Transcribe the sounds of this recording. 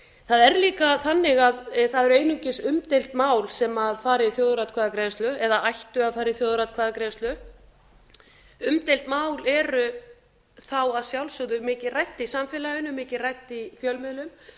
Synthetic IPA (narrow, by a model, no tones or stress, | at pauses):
θaðɛɾliːkaθanːɪɣaðθaðɛɾʏeːjnʏɲcɪsʏmt̪ejl̥t̪maːwlsɛmaðfaːɾɪθjoːwðɾat̪̚kʰaːðakɾejst̪lʏɛðaajht̪ʏaðfaːɾɪθjoːwðɾat̪kʰvaːðakɾeːst̪lʏ | ʏmt̪ejl̥t̪maːwlɛɾʏ | θawaðsjawlsœɣðʏmɪːcɪðrajht̪isamfɪlajʏnʏmɪːcɪrajt̪ifjœlmɪðlʏm